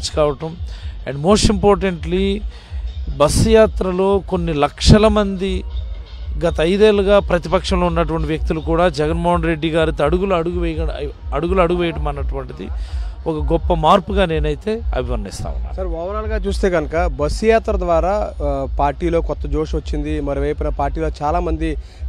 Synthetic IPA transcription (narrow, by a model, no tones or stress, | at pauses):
t͡ʃːi̥kaːʋɐʈɐmɛ̰ɳɖmo̞ːsʈimpoːɾʈeɳʈli | bɐsːujaːt̪ɾɐlo̞ːko̞nːilɐkʂɐlɐmɐnd̪i | ɡɐt̪ɐɐjd̪eːluɡaːpɾɐt̪ipɐkʂɐmlo̞ːunːɐʈuʋɐɳʈiʋjɐk̚t̪ilukuːɽaːd͡ʒɛɡɐnmoːɦɐnɾe̞ɖːiɡaːɾit̪ːɐɽuɡuluɐɽuɡuʋɛːjɐɐɽuɡuluɐɽuɡuʋɛːjɐʈɐmɐnːɐʈuʋɐɳʈid̪ḭɔkɐɡɔpːɐmaːɾpuɡaːne̞ːnɐjit̪e̞ːɐ̰bʱimɐnnːḭst̪a̰ːʋṵnːa̰ːsɐɾʋɐːʋɐnaːlɡaːt͡ʃuːst̪e̞ːɡɐnɐkɐbɐsːujaːt̪ɾɐd̪ʋaːɾaːpaːɾʈiːlo̞ːkɔt̪ːɐd͡ʒo̞ːʂʋɐt͡ʃːind̪imɐɾiʋɐjpːnɐpaːɾʈiːloːt͡ʃaːlaːmɐnd̪i